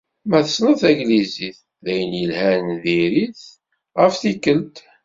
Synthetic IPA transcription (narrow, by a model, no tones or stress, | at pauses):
mæθəsnəθæɡliziθ | ðæjənjəlhænðiɾiθ | ʁəfθikːəlt̪